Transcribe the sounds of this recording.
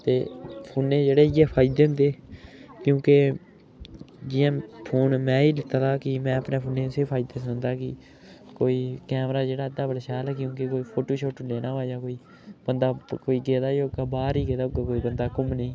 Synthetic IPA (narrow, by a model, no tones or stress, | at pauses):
t̪eːpʰʊːnẽːd͡ʒeːɽeːjeːpʰaːɪd̪eːɦʊ̃nd̪eːkjũːke | d͡ʒɪjãːpʰoːnmɛ̃ːiːlɪt̪aːt̪ʰaːkɪmɛ̃ːəpneːpʰʊːneːseːpʰaːɪd̪eːsnd̪aːkɪ | koːiːkɛːmɾaːd͡ʒeːɽaːəd̪aːbəɽaːʃaːlɛːkjõːkekoːiːpʰoːʈoːʃoːʈːleːnaːʋaːjaːkoːiː | bənd̪aːkoːiːɡeːd̪aːjoɡaːbaːɾiːɡeːd̪aːɡakoːiːbənd̪aːkʊmnəĩː